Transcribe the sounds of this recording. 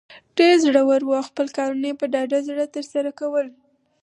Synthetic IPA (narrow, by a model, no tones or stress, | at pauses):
ɖ̥eɾzɽəwəɾwuawxpəlkɑɾunajpəɖɑɖazɽət̪əɾsaɾakawəl